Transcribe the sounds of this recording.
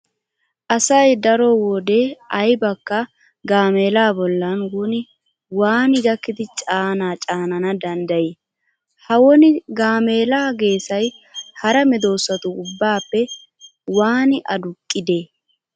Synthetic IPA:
ʔɐsɐjd̪ɐɾɔwɔd̪eːɐjbɐkːɐ | ɡaːmeːlaːbɔlːɐnwʊnɪ | waːnɪɡɐkːɪd̪ɪt͡ʃʼaːnaːt͡ʃʼaːnɐnɐd̪ɐnd̪ɐje | hɐwɔnɪɡaːme̞ːlaːɡe̞ːsɐjhɐɾɐmɛd̪o̞ːsːɐt̪ʊʊbːaːpːɛ | waːnɪʔɐd̪ʊkʼːɪd̪eː

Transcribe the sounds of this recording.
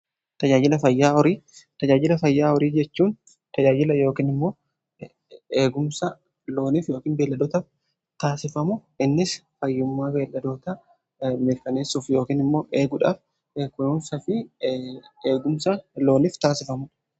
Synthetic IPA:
t̪ɐd͡ʒaːd͡ʒɪlɐfɐjːaːɔɾiːt̪ɐd͡ʒaːd͡ʒɪlɐfɐjːaːɔɾiːd͡ʒɛt͡ʃːuːn | t̪ɐd͡ʒaːd͡ʒɪlɐjo̞ːkiːnɪmːo̞ː | eːɡʊmsɐ | lo̞ːniːfjo̞ːkiːnbe̞ːlːɐd̪oːt̪ɐf | t̪aːsɪfɐmʊʔɪnːɪsfɐjːʊmːaːbe̞ːlːɐd̪o̞ːt̪ɐ | mɪɾkɐneːsʊːfjo̞ːkiːnɪmːo̞ːʔe̞ːɡʊᶑa̰ːf | ekʊjuːnsɐfɪ | eːɡʊmsɐlo̞ːniːft̪aːsɪfɐmʊᶑ

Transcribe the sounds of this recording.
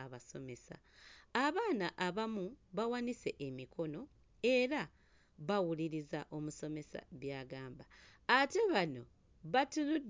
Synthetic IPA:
aβaso̞me̞sa̰ | aβaːnaʔaβamuβawanise̞ʔemikʰo̞no̞ | e̞ɾa | βawuliɾizaʔo̞muso̞me̞sa̰βjaːɡaːmbaː | te̞βano̞ | βatulud

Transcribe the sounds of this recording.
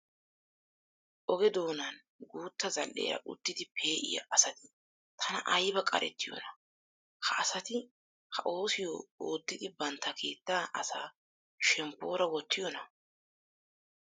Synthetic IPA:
ʔɔɡɛd̪o̞ːnɐn | ɡuːt̪ːɐzɐlːḛːɾɐ̰ʔʊ̰t̪ːɪd̪ɪpʰe̞ːʔɪ̰jɐ̰ʔɐsɐt̪ɪ̥ | t̪ʰɐnɐ̰ʔɐjbɐkʼɐ̰ɾɛ̰t̪ːɪjɔ̰nɐ | hɐʔɐsɐt̪ɪ | hɐʔo̞ːsɪjo̰ːoːd̪ːɪd̪ɪbɐnt̪ːɐkʰe̞ːt̪ːaːʔɐsaː | ʃɛmpːo̞ːɾɐwɔt̪ʰːɪjɔnɐ

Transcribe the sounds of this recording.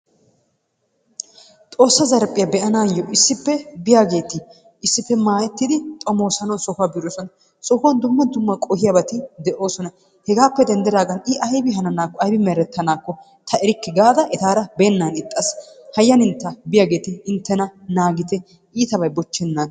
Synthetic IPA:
t̪ʼo̞ːsːɐzɐɾpʼɪjɐbɛʔɐnaːjːɔʔɪsːɪpːɛbɪjaːɡe̞ːt̪ɪ | ʔɪsːɪpːɛmaːjɛt̪ːɪd̪ɪt̪ʼɔmo̞ːsɐnɔnsɔhʊaːbɪɾoːsɔnɐ | sɔhʊwɐnd̪ʊmːɐd̪ʊmːɐkʼɔhɪjɐbɐt̪ɪd̪ɛʔo̞ːsɔnɐ | hɛɡaːpːɛd̪ɛnd̪ɛɾaːɡɐnɪʔɐjbɪɦɐnɐnaːkːɔɐjbɪmɛɾɛt̪ːɐnaːkːɔ | t̪ʰɐɛɾɪkːɪɡaːd̪ɐʔɛt̪aːɾɐbeːnːanɪt̪ʼːɐshɐjːɐnɪnt̪ːɐbɪjaːɡe̞ːt̪ɪɪnt̪ːɛnɐnaːɡɪt̪ɛ | ʔiːt̪ɐbɐjbɔt͡ʃːɛnːaːn

